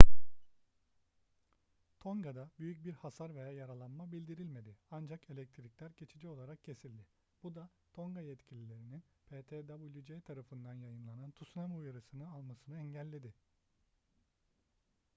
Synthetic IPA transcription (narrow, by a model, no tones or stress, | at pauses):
t̪ʰoŋɡad̪abyjyc̚biɾhasaɾve̞jaːjaɾalˠanmabilʲd̪iɾilʲme̞d̪ɪand͡ʒakʰe̞lʲɛc̚t̪ʰɾiclʲæɾɟe̞t͡ʃʰid͡ʒio̞lˠaɾak̚cʰe̞silʲd̪ɪ | b̥ud̪a | t̪ʰo̞ŋɡajɛt̪cʰilʲilʲe̞ɾinin | pʰeːt̪ʰed̪abulʲjud͡ʒet̪ʰaɾafɯnd̪anjajɯnlˠanant̪ʰusnamujaɾɯsɯnɯalˠmasɯnɯɛɲɟælʲːe̞d̪ɪ